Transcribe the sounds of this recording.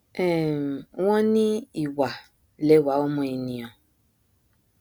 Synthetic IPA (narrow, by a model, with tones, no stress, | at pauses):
ɛ˦˨m˨wɔ̃˦ni˦i˨wa˨ | le˦˨wa˨o˦mɔ̃˨i˨nĩ˨ɔ̃˨